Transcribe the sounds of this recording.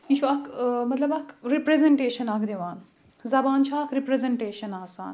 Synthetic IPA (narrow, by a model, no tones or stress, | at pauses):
it͡ʃʰuɐkmɐt̪lɐbɐkɾipɾezeɳʈeːʃɐnakd̪eʋaːn | zɐbaːnt͡ʃʰaːkɾipɾezeɳʈeːʃɐnaːsa̰ːn